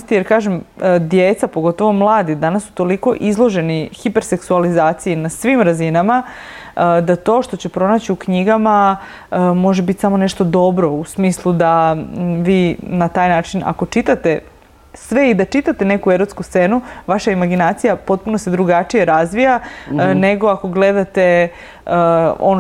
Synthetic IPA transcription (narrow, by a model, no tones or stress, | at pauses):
st̪ijeɾkaːʒemd̪jet̪sapo̞ɡo̞t̪o̞ʋo̞mlˠaːd̪id̪anasːu̥t̪o̞liko̞ʔizlˠo̞ʒe̞nixipe̞ɾse̞ksualizaːt̪sijinasʋimɾazinama | d̪at̪o̞ːʃt̪o̞t͡ɕe̞pɾo̞nat͡ɕiukɲiɡama | əmo̞ʒebit̪ʲsamo̞neʃt̪o̞d̪o̞bɾo̞usmiːslˠud̪aʋiːnat̪aːjnaːt͡ʃina̰ko̞t͡ʃit̪at̪e̞ | sʋeid̪at͡ʃit̪at̪ene̞kueɾot̪skust̪senuʋaʃaimaɡinaːt̪sijapo̞t̪̚punosed̪ɾuɡat͡ʃije̞ɾazʋijane̞ɡo̞ako̞ɡle̞d̪at̪e̞ | o̰no